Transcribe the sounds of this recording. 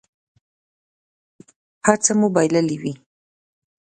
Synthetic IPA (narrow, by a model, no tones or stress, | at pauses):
hat͡samubajləliwi